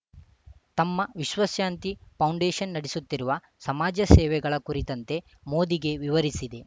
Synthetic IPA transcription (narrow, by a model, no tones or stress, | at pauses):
t̪ɐmːɐʋiʃʋɐsjaːnt̪ipʰɐwɳɖeːʃɐnːɐɽisut̪ːiɾuʋɐ | sɐmaːd͡ʒɐsɛːʋɛɡɐɭɐkuɾit̪ɐnt̪e̞ | mo̞ːd̪iɡe̞ʋiʋɐɾisid̪e̞